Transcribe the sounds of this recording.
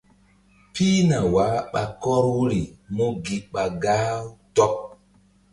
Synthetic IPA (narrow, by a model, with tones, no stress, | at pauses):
pi˦na˨wa˨˦ɓa˨kɔ˦ɾwu˦ɾi˨mu˦ɡi˨ɓa˨ɡaː˦wtɔ˦p̚